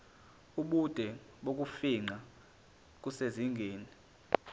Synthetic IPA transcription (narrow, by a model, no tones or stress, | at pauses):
uɓud̥ʱɛ | ɓok̬ʼufiŋ͡ǃa | k̬useziŋɡʱeːni